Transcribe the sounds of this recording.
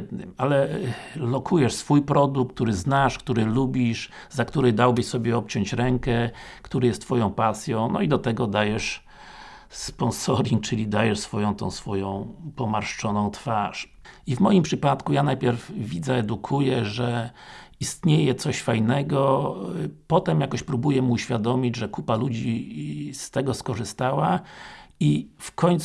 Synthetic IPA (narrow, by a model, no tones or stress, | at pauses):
d̪nɘ̰malɛlɔkʰujɛʂsfujpɾɔd̪uk̚t̪uɾɘznaʂkt̪uɾɘlubʲiʂ | zakt̪uɾɛd̪awbɘɕsɔbʲjɛɔp̚t͡ɕɔ̃ɲt͡ɕɾɛŋkɛkt̪uɾɛjɛst̪ːfɔjɔ̃w̃pasʲjɔ̃w̃nɔ̰id̪ɔt̪ɛɡɔd̪ajɛʂ | spɔnsɔɾʲiŋk̚t͡ʂɘlʲid̪ajɛʂsfɔjɔ̃w̃t̪ɔ̰̃w̃sfɔjɔ̃w̃pɔmaɾʂt͡ʂɔnɔ̃w̃t̪faʂ | ivmɔjimpʂɘpat̪kujanajpʲjɛɾvvʲid̪zɛːd̪ukʰujɛʐɛist̪ɲejɛt̪sɔɕfajnɛɡɔ | pɔt̪ɛmjakɔɕpɾubujɛmuɕfʲjad̪ɔmʲid͡ʑʐɛkupalud͡ʑist̪ɛɡɔskɔʐɘst̪awa | ifkʰɔɲt̪s